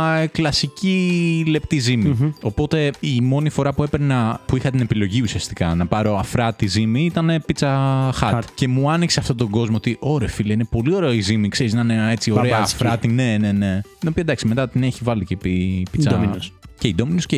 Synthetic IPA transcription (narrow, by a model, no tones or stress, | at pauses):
klɐsicile̞p̚t̪izimio̞po̞t̪e̞imo̞nifo̞ɾɐpue̞pɾnɐpuixɐt̪ine̞pilo̞ʝiusiɐst̪i̥kɐnɐpɐɾo̞ɐfɾɐt̪izimiit̪ɐnepit͡sɐxɐɾt̪ce̞muɐnikse̞ɐft̪ot̪o̞ɡo̞zmoot̪iʔo̞ɾeɐfilɐinepo̞lio̞ɾeɐizimikse̞ɾiznɐnee̞t͡sio̞ɾeɐfɾɐt̪ine̞ne̞ne̞t̪ino̞piɐd̪ɐksimet̪ɐt̪ineçivɐlicepipit͡s̪ | ceid̪ominosce